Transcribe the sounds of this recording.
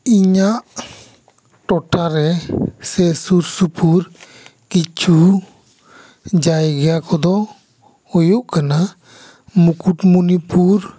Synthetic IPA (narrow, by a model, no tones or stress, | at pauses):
iɲaʔ | ʈɔʈaɾɛsɛsuɾsupuɾ | kit͡ʃʰu | d͡ʒajɡɛjakɔd̪ɔ | hojuʔkana | mukuʈmunipuɾ